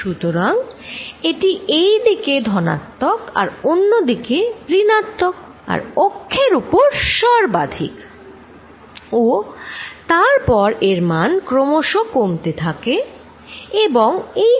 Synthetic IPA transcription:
ʃut̪oɾaŋeʈiʔejd̪iked̪ʱɔna̰t̪ːoka̰ɾonːod̪ikepɾinat̪ːok | a̰ɾpokʰːeɾupoɾʃɔɾbad̪ʱḭk | o | t̪aɾpɔɾeɾmankɾomoʃokomt̪et̪ʰake | eboŋe

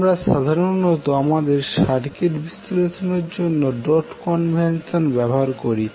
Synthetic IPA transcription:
mɾaʃad̪ʱaɾonːot̪oamad̪eɾʃaɾkeʈbist̪oɾetoneɾd͡ʑonːoɖɔʈkɔnbʱensonbɛboɦaɾkoɾi

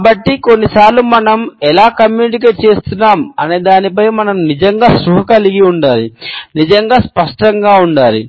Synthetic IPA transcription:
bɐʈːiko̞nːisaːɾlumɐnɐmɛlaːkɐmjuːniʈikeːʈ̚t͡ʃe̞ːst̪unːaːmɐneːd̪aːnip̬ɐjmɐnɐmnid͡ʒɐŋɡaːsɾuɦɐkɐliɡiuɳɖaːɾinid͡ʒɐŋɡaːspɐʂʈɐŋɡaːuɳɖaːɾḭ

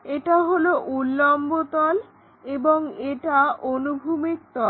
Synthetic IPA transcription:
eʈaɦoloʔulːɔmbot̪ɔl | eboŋeʈaʔonubʱumik̚t̪ɔl

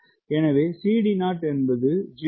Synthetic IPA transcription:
ɛnɐʋeːsiːɽinaːʈɛnbɐðɯd͡ʒɪ

